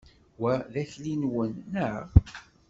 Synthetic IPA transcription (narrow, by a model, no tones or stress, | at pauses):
wæðæθlinwənːəʁ